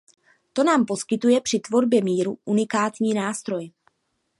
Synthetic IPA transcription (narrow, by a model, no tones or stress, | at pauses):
t̪o̞naːmpo̞skɪt̪ujɛpr̝̥ɪt̪vo̞ɾbjɛmiːɾuʔunɪkaːt̪ɲiːnaːst̪ɾo̞j